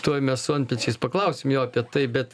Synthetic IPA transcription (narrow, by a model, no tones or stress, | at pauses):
t̪uɔjmʲɛssoɐnʲpʲɛt͡ʃʲɛɪspɐklˠɐʊsʲɪmjoːɐpʲiɛt̪ɐɪbʲɛt̪